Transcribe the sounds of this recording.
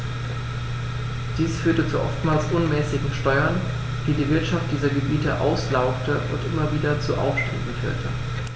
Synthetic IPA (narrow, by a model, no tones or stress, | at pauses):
d̥iːsfyːɐtət͡suʔɔ̰ftmaːlsʔʊnmɛːsɪɡŋ̩ʃtɔʏɐn | d̥iːdiːvɪɐtʃaft̚d̥iːzɐɡəbiːtəʔa̰ʊslaʊktəʔʊ̰ntʔɪmɐviːdɐt͡suʔa̰ʊfʃtɛndn̩fy̰ːɐtʰə